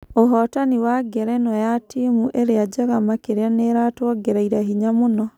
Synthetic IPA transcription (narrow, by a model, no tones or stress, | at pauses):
oɦɔtaniwaɡɛɾɛnɔjatimuʔeɾead͡ʒaɣamakeɾɛneɾatwɔɡeɾaiɾaɦiɲamonɔ